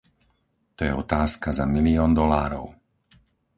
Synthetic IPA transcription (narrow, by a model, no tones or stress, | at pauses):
t̪ɔjɛɔt̪aːskazamiliɔːnd̪ɔlaːɾɔ̰ʊ